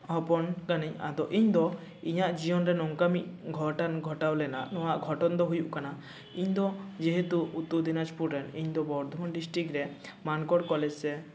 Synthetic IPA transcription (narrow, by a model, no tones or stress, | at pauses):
ɦɔpɔnkaniɲa̰d̪ɔʔiɲd̪ɔ | iɲaʔd͡ʒijɔnɾɛnɔŋkamit̚ˀɡʱɔʈanɡʱɔʈawlɛna̰ʔnɔwaʔɡʱɔʈɔnd̪ɔɦujuʔkana | iɲd̪ɔd͡ʒɛɦet̪uːt̪ːud̪inad͡ʒpuɾɛniɲd̪ɔbɔɾd̪ʱɔmɔnɖisʈɾikɾɛmankɔɽkɔlɛd͡ʒsɛ